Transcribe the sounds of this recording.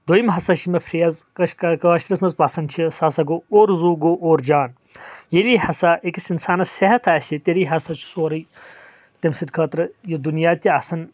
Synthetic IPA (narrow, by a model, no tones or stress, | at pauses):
d̪ojimɦɐsɐʃimɐpʰɾeɐzkɐʃkɐkɐaʃt̪ɾɐsmɐzpɐsɐnt͡ʃʰisaːsɐɡooːɾzuːɡoʔoːɾd͡ʒaːn | jeliːhɐsaʔekisinsaːnɐseɦɐt̪ʰaːsʲit̪eɾiːɦɐsɐt͡ʃʰu̥soːɾɐj | t̪ɐmsid̪kʰɐːt̪ɾɐjɐd̪unjaːt̪ʲiɐsɐn